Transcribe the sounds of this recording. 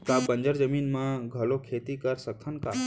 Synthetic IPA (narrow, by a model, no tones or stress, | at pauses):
kabə̃ɲd͡ʒəɾd͡ʒəmiːnmãɡʱɐlokʰeːt̪ikəɾsək̚t̪ʰənka